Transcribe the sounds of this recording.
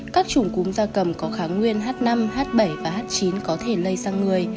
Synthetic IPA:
kaː˦˥k̚t͡ɕʊ˧˩ŋ͡mkʊ˨˦ŋ͡mzaː˧kə˨˧˩mkɔ˨˦xaː˨˦ŋwi˧ənɦaː˦˥t̚na˧mhaː˦˥t̚ɓə˧˩jvaː˨˩ɦaː˦˥t̚t͡ɕi˨˦nkɔ˨˦t̪ʰe˧˩lə˧jzaː˧ŋɨ˨˩əj

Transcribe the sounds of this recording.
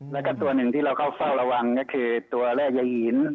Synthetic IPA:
lɛ˦˥kɔ˥˩t̪u˧ɐnɯ˨˩ŋt̪ʰiː˥˩ɾa˧wkʰa˥˩wfa˥˩wɾa˧wa˧ŋkɔː˥˩kʰɯː˧t̪u˧ɐɾɛː˥˩k̚ja˧hiː˩˦n

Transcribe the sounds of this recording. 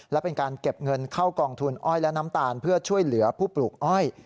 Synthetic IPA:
lɛ˦˥wpe˧nkaː˧nke˨˩p̚ŋɤ˧nkʰa˥˩wkɔː˧ŋt̪ʰu˧nʔɔ˥˩jlɛ˦˥na˦˥mt̪aː˧npʰɯ˥˩ɐt͡ɕʰu˥˩əjlɯ˩˦ɐpʰuː˥˩pluː˨˩k̚ʔɔ˥˩j

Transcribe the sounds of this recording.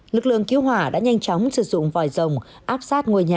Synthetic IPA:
lɨ˨˩k̚lɨ̰˧˨əŋki˨˦ə˦wɦwaː˧˩ɗa̰ː˧˥ɲa˧jŋt͡ɕɔ˨˦wŋ͡msɨ˨˧˩zʊ̰˧˨ŋ͡mvɔ˨˩jzə˨˩wŋ͡m | ʔaː˦˥p̚saː˦˥t̚ŋu˧əjɲaː˨˩

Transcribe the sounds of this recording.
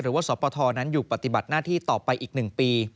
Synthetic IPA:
ɾɯː˨˩˦waː˥˩sɔː˩˦pɔː˧t̪ʰɔː˧na˦˥njuː˨˩pa˧˩t̪i˨˩ba˨˩t̪̚naː˥˩t̪ʰiː˥˩t̪ɔː˨˩pːa˧jʔiː˨˩k̚nɯ˨˩ŋpiː˧

